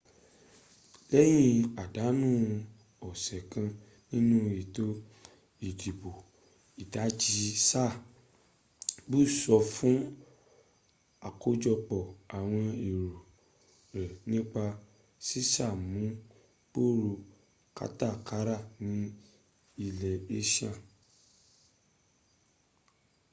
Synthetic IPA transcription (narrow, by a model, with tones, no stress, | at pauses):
lɛ˦j̃ĩ˧a˨da˨˦nũ˦ | ɔ˨sɛ˨kã˧ | nĩ˦nũ˦i˨to˦ | i˨di˨bo˨ | i˨ta˨˦d͡ʒi˧sa˦˨ | bu˦˨sɔ˧fũ˦ | a˨ko˧d͡ʒɔ˧k͡pɔ˨a˨w̃ɔ̃˧i˨ɾu˨ | ɾɛ˨nĩ˦k͡pa˧ | si˦sa˦˨mũ˨˦ | k͡po˦˨ɾu˧ | ka̰˦ta˦˨ka˨˦ɾa˦˨nĩ˨˦ | i˧lɛ˨e˦ʃã˦˨